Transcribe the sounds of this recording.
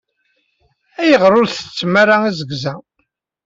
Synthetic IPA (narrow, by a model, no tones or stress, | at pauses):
æjəʁɾˤʊɾθə̥t͡sːmaɾaizəɡzæ